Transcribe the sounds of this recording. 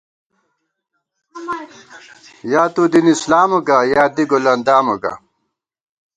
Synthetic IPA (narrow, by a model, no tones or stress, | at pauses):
jaːt̪ud̪inislaːmuɡajaːd̪iɡolɐnd̪aːmɐɡa̰